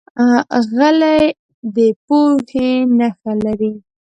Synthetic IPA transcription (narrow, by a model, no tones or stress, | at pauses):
ɣalaj | d̪əpohenaxalaɾi